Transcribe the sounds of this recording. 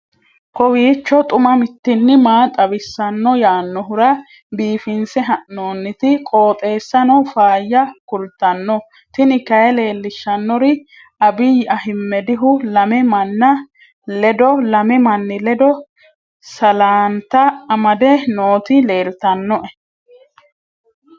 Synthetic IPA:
kɔwiːt͡ʃːɔt̪ʼʊmɐmɪt̪ːɪnːɪmaːt̪ʼɐbɪsːɐnːɔjaːnːɔɦʊɾɐ | biːfɪnsɛɦɐʔnoːnːɪt̪ɪkʼo̞ːt̪ʼe̞ːsːɐnɔfaːjːɐkʊlt̪ɐnːɔ | t̪ɪnɪkɐjɛle̞ːlːɪʃːɐnːɔɾɪ | ʔɐbɪjʔɐhɪmːɛd̪ɪɦʊlɐmɛmɐnːɐ | lɛd̪ɔlɐmɛmɐnːɪlɛd̪ɔ | sɐlaːnt̪ɐɐmɐd̪ɛno̞ːt̪ɪle̞ːlt̪ɐnːɔʔɛ

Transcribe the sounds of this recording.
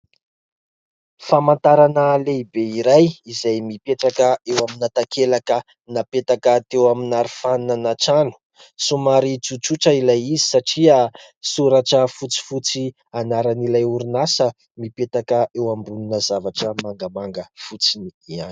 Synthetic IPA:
famant̪aɾanəleibeiɾajizajmipeʈ͡ʂakəewaminat̪akʰelakə | napet̪akət̪ewaminaɾifanunanaʈ͡ʂanu̥ | sumaɾit͡sut͡suʈ͡ʂəilajizisaʈ͡ʂia | suɾaʈ͡ʂəfut͡si̥fut͡si | anaɾanilajuɾunasə | mipet̪akəʔewambuninəzavaʈ͡ʂəmaŋɡamaŋɡəfut͡siniiani̥

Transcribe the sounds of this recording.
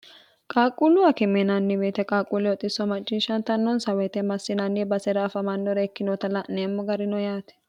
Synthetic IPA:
kʼaːkʼːʊlʊɐkɪmɛnɐnːɪbeːt̪ɛkʼaːkʼulɔt̪ʼːɪsːɔmɐt͡ʃʼːɪʃɐnt̪ɐnːɔnsɐwɛt̪ɛmɐsːɪnɐnːibɐsɛɾaːfɐmɐnːɔɾɐɛkːɪnɔt̪ɐlɐneːmːɔɡɐɾɪnɔjaːt̪ɛ̥

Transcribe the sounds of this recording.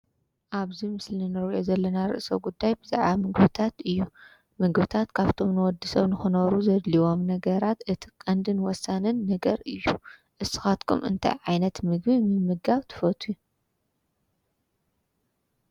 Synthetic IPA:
ʔaβzimɨslinɨɾʔozɐlːɐnaɾɨ̰ʔsɐ̰wɡud̪ːajbɨza̰ʕβamɨɡbɨt̪ʰat̪ɨjːu | mɨɡbɨt̪ʰat̪kʰaβt̪ʰo̞mnɨwɔd̪ːɨsɐβnɨxɨnɐɾuzɐd̪liwo̞mnɐɡɐɾat̪ʔɨt̪ʰi̥kʼɐnd̪ɨnwɔsːanɨnːɐɡɐɾɨjːuʔɨsːɨ̥xat̪kʰṵmɨ̰nt̪ʰa̰jʕajnɐt̪mɨɡβimɨmɨɡaβt̪ʰɨ̥fɐt̪ʰuju

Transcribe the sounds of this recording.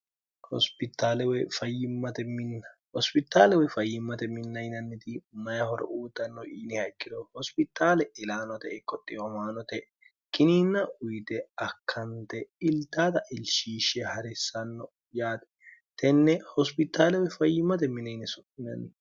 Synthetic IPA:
hɔ̰spɪt̪ːaːlɛwɛfɐjːɪmːɐt̪ɛmɪnːɐhɔspɪt̪ːaːlɛwɛfɐjːɪmːɐt̪ɛmɪnːɐjnɐnːɪt̪ɪmɐjɐhɔɾɔ̰ʔuːt̪ʼːɐnːɔʔiːnɪhɐjkʼːɪd̪ɔhɔspɪt̪ːaːlɛʔɪlaːnɔt̪ɛɛkʼːɔt̪ʼːɪɔmaːnɔt̪ɛ | kʼɪniːnːɐʊjt̪ɛɐkʰːɐnt̪ɛɪlt̪ːaːd̪ɐʔɪlʃiːʃɛhɐɾɛsːɐnːɔ | jaːt̪ɛ̥t̪ɛnːɛhɔspɪt̪ːaːlɛwɛfɐjːɪmːɐt̪ɛmɪnːɐjnɛsɔɪnɐ̰nːɛ

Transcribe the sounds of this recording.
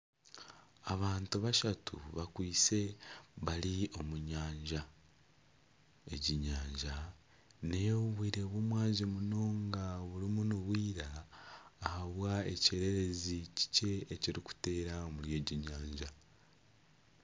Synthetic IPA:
aβaːntuβaʃatʰṵβakwiːse̞βalio̞muɲaːɲɟa | e̞ɟiɲaːɲɟa | nejβwiːɾe̞βwumwaːzimuno̞ːŋɡaβulimunuβwiːɾaː | haβwae̞ce̞ɾe̞ɾe̞zici̥ce̞ːciɾiku̥te̞ːɾaomulje̞ːɟiɲaːɲɟa

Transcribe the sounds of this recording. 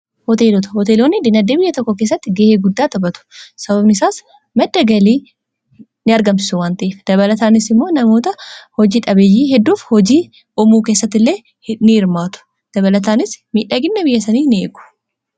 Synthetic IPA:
hɔt̪eːlɔt̪ɐ̥hɔt̪eːloːnːɪd̪ɪnɐd̪ːeːbɪjːɐt̪ɔkːɔke̞ːs̬ːɐt̪ːɪɡeːheːɡʊd̪ːaːt̪ɐbɐt̪ʊ̥sɐβɐbnɪɪsaːs | mɐd̪ːɐɡɐliː | nɪɐɾɡɐmsɪ̥sʊwaːnt̪ɐʔeːfd̪̥ɐβɐlɐt̪aːnɪsɪmːo̞ːnɐmo̞ːt̪ɐhɔd͡ʒiːᶑɐbeːjːiːɦɛd̪ːuːfhɔd͡ʒiː | ɔmuːkeːsːɐt̪ːɪlːeː | nɪɪɾmaːt̪ʊ̥ | d̪̥ɐβɐlɐt̪aːnɪsmiːᶑaɡɪnːɐbɪjːɐsɐniːnɪeːɡʊ̥

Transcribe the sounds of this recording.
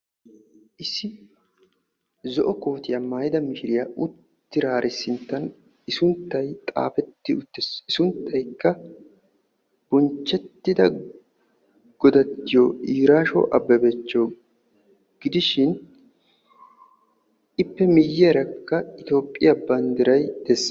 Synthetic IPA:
ʔɪsɪ | zɔʔɔko̞ːt̪ɪjɐmaːjɪd̪ɐmɪʃɪɾɪjaʔʊt̪ːɪɾaːɾʔɪsːɪnt̪ːɐn | ɪsʊnt̪ːɐjt̪ʼa̰ːfɛt̪ːɪʊt̪ːɪsɪsʊnt̪ʰːɐjkːɐ | b̥ʊnt͡ʃːɛt̪ːɪd̪ɐ | ɡ̥ɔd̪ɐt̪ːɪjoiːɾaːʃɔ̰ʔɐbːɛbet͡ʃːoː | ɡ̥ɪd̪ɪʃɪn | ɪpːɛmɪjːɛːɾɐkːɐɪt̪o̞ːpʼːɪjɐbɐnd̪ɪɾɐjd̪esː

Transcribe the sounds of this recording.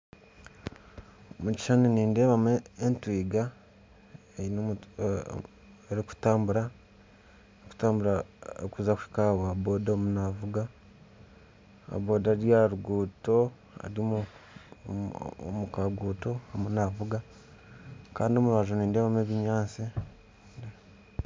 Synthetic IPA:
omuci̥ʃaniniːnde̞ːβameentwiːɡa | ein | eɾiku̥taːmbuɾa | iku̥taːmbuɾaokuzakui̥kaβoaboːdomunavuɡa | a̰βoːdaɾjaɾuɡuːto̞ | a̰ɾimu | mukaɡuːto̞amunavuɡa | kaːndiomuβaʒoniːnde̞ːβameβiɲaːsi

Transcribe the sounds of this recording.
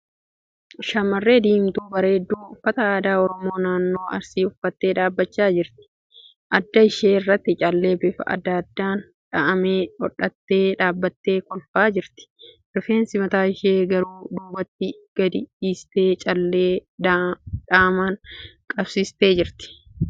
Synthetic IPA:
ʃɐmːɐrːe̞ːd̪iːmt̪uːbɐɾe̞ːd̪ːuːʊfːɐt̪ɐːd̪aːɔɾɔmo̞ːnaːnːo̞ːɐ̰ɾsiːʊfːɐt̪ːe̞ːᶑ̪aːbːɐt͡ʃːaːd͡ʒɪɾt̪ɪ̥ | ʔɐd̪ːɐɪʃe̞ːɪrːɐt̪ːɪt͡ʃʼɐlːe̞ːbɪfɐʔɐ̰d̪ːɐd̪ːaːn | ᶑɐʔɐmeːɔ̰ᶑːɐt̪ːe̞ːᶑaːbːɐt̪ːe̞ːkɔlfaːd͡ʒɪɾt̪ɪ̥ | ɾɪfe̞ːnsɪmɐt̪aːɪʃeːɡɐɾuːd̪uːbɐt̪ːɪɡ̥ɐd̪ɪiːst̪eːt͡ʃʼɐlːeː | ᶑaːmaːnkʼɐbsɪst̪e̞ːd͡ʒɪɾt̪ɪ̥

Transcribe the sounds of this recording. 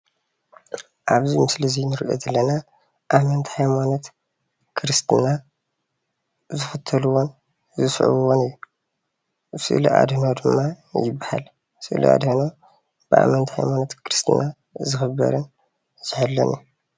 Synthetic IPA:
ʔaβzimɨslizinɨɾʔɐ̰zɐlːɐna | ʔamɐnt̪ʰhajmanot̪ | kʰɨɾɨst̪ʰɨna | zɨfɨt̪ʰːɐluwon | zɨsʕṵβɨwonɨjːu | sɨ̰ʔlḭʔa̰d̪nod̪ɨmːajɪbːaha̰l | sɨʔlḭʔa̰d̪hɨno | b̥ɨʔa̰mɐnt̪ʰhajmanot̪kʰɨɾɨst̪ʰɨ̰na | zɨxɨbɐ̰ɾɨn | zɪħalːɐ̰nḭ

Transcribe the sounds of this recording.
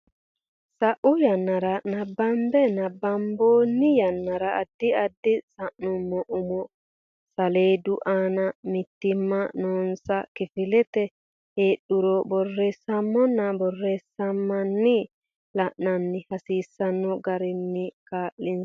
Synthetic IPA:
sɐʔʊjɐnːɐɾɐnɐbːɐmbɛnɐbːɐmboːnːɪjɐnːɐɾɐːd̪ːɪɐd̪ːɪsɐʔnʊmːɔʔʊmɔ | sɐleːd̪ʊʔaːnɐmɪt̪ːɪmːɐnoːnsɐkɪfɪlɛt̪ɛ | heːɗʊɾɔbɔrːeːsɐmːɔnːɐbɔrːeːsːɐmːɐnːɪ | lɐʔnɐnːɪhɐsiːsːɐnːɔɡɐɾɪnːɪkaːʔːɪn

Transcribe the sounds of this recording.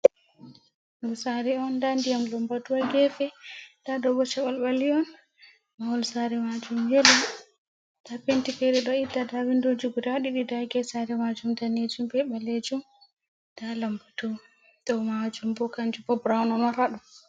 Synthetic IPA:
ɡusaɾɛɔndandijamlambatuwaɡɛfɛd̥aɗɔbɔt͡ʃaɓalɓaliɔn | mawɔlsaɾɛmad͡ʒumjɛlɔ | tapentifɛɗɛɗɔidːadawindod͡ʒuɡudaɗiɗidaɡɛsaɾɛmad͡ʒumdaned͡ʒumbɛɓaled͡ʒum | d̥alambatua | dɔmad͡ʒumbɔkand͡ʒubɔbɾawnɔnaɾaɗɔ

